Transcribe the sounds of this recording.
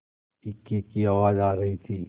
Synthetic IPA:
ɪkːikiɐʋaːd͡ʒaːɾɐɦit̪ʰiː

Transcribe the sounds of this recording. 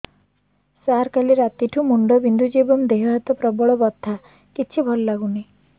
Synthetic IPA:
saɾkaliɾat̪iʈʰumuɳɖɔbind̪ʱud͡ʒibɔmd̪eɦɔɦat̪ɔpɾɔbɔɭɔbɔt̪ʰːa | kit͡ʃʰibʱɔllaɡuni

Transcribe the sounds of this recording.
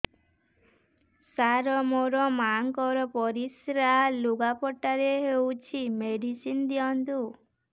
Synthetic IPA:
saɾɔmoɾɔmaŋkɔɾɔpɔɾisɾaluɡapɔʈaɾeɦewt͡ʃʰimeɽisind̪iɔnt̪u

